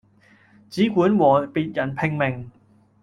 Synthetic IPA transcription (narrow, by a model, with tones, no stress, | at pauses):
t͡siː˨˥kʷuː˨˥nwɔː˨˩piː˧t̚jɐ˨˩npʰɪ˨˧ŋmɪ˨˩ŋ